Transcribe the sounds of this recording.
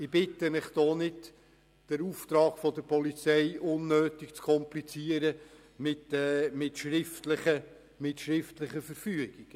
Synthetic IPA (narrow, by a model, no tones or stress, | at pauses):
ɪb̥ɪt̪əmɪχd̥ɔːnɪd | d̥əɾuft̪ɾɑːɡ̥fɔd̪əɾpʰɔlit͡sɛjʔʊnːøːtɪkt͡skʰɔmplit͡siəɾə | mɪtɛmɪtʃɾɪftləχə | mɪtʃɾɪftlɪχəfəɾfyəɡiɡ̥